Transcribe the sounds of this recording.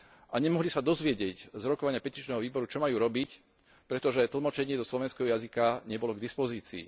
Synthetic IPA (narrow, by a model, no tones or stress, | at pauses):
ʔaɲɛmɔɦlisad̪ɔzʋɪɛɟɪɛɟzɾɔkɔʋaɲɪapɛciʒnɛːɦɔʋiːbɔɾut͡ʃɔmajuːɾɔbic | pɾɛt̪ɔʒɛt̪l̩mɔt͡ʃɛɲɪɛd̪ɔslɔʋɛnskɛɦɔjazikaɲɛbɔlɔɡd̪ispɔziːt͡sḭː